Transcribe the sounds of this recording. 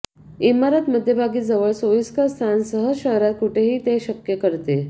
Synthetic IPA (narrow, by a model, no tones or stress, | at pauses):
imaɾat̪məd̪ʱːjebʱaɡiːd͡zəʋəɭsojiskəst̪ʰansəɦəɕəɦɾat̪̚kuʈʰeɦiːt̪eɕəkjəkəɾt̪e